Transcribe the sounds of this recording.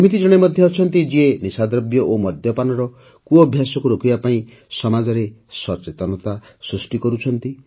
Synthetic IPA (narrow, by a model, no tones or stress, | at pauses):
smit̪id͡ʒɔɽ̃emɔd̪ʱjɔːt͡ʃʰɔnt̪id͡ʒienisad̪ɾɔbjɔʔomɔd̪ʱjɔpanɔɾɔ | kuɔbʱjasɔkuɾokʰibapaĩ | sɔmad͡ʒɔɾesɔt͡ʃet̪ɔnɔt̪asɾusʈikɔɾut͡ʃʰɔnt̪i